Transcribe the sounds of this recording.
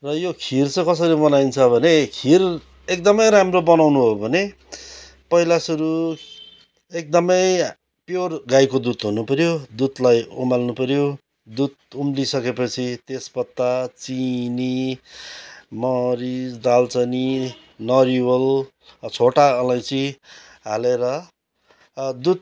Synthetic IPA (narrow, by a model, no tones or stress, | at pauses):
rʌjokʰirt͡sʌ̃kʌsʌɾibʌnaint͡sʰʌbʱʌnekʰir | ek̚d̪ʌmʌjɾamrobʌnawnuɦobʱʌne | pʌilasʌɾu | ek̚d̪ʌmʌj | pjorɡajkod̪ut̪ɦunupʌɾjod̪ut̪lajṵmalnupʌɾjo | d̪ut̪̚umlisʌkepʌt͡sʰit̪espʌt̪ːat͡sini | mʌɾisd͡zd̪alt͡sʌni | nʌɾiwʌl | t͡sʰoʈaʌlãj̃si | ɦaleɾʌ | d̪ut̪̚